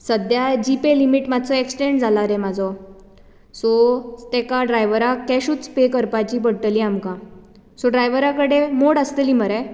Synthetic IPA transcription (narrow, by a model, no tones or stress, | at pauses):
səd̪jad͡ʑipelimiʈmad̪ʱt͡sɔeksʈeɳɖd͡zʱalaɾemad͡zʱɔ | sɔt̪ɛkaɖɾajʋəɾakɛɕuːt͡spekəɾpat͡ɕiːbəɽʈəliamkã | sɔɖɾajʋəɾakəɽemoɽəst̪əliməɾɛ